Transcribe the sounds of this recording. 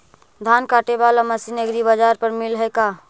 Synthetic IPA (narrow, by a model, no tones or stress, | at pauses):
d̪ʱankaʈebalaməsinəɡɾibəd͡ʒaɾpəɾmilɦəjka